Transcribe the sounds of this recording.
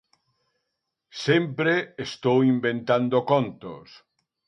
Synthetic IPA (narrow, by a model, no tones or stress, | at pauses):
sempɾeest̪owimbent̪and̪okont̪o̰s